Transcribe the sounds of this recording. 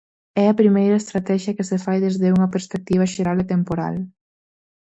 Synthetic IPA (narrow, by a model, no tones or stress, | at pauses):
ɛɐpɾimejɾɐest̪ɾat̪ɛʃjɐkesefajðezðeuŋɐpeɾspek̚t̪iβ̞ɐʃeɾalet̪empoɾa̰l